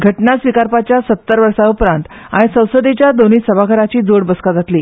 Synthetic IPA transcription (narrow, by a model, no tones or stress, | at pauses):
ɡʱəʈnasʋikaɾpat͡ɕjasət̪ːəɾʋəɾsaupɾant̪ | ãẽsə̃w̃səd̪et͡ɕjad̪onisəbʱakəɾat͡ɕiːd͡zoɽbəskaat̪liː